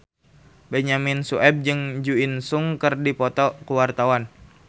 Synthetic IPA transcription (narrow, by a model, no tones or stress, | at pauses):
bɛɲaminsuʔɛb̚d͡ʒɨŋd͡ʒuinsuŋkɨrdipɔt̪ɔkuwart̪awan